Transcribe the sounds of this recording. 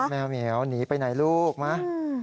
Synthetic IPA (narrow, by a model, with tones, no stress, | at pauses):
mɛː˧wni˨˩˦ə˦wniː˩˦pa˧jna˩˦jluː˥˩k̚ma˦˥